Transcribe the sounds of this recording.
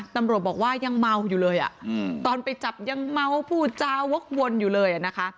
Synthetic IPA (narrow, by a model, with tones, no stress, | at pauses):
t̪a˧mɾu˨˩ət̪̚bɔː˨˩k̚waː˥˩ja˧ŋma˧wjuː˨˩lɤː˧jʔa̰˨˩ʔt̪ɔː˧npa˧jt͡ɕa˨˩p̚ja˧ŋma˧wpʰuː˥˩t͡ɕaː˧wo˦˥k̚wo˧njuː˨˩lɤː˧jʔa˨˩na˦˥kʰa˦˥ʔ